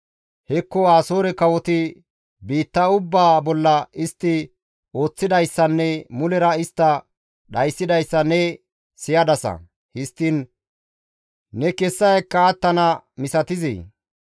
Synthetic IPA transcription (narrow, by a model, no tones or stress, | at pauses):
hɛkːɔaːsoːɾɛkɐwɔt̪ɪ | biːt̪ːɐʊbːaːbɔlːɐɪst̪ːɪ | o̞ːt͡sːɪd̪ɐjsːɐnːɛmʊlɛɾɐɪst̪ːɐ | ɗɐjsːɪd̪ɐjsːɐnɛ | sɪjɐd̪ɐsɐ̰ | hɪst̪ːɪn | nɛkɛsːɐjɛkːɐːt̪ːɐnɐmɪsɐt̪ɪzḭː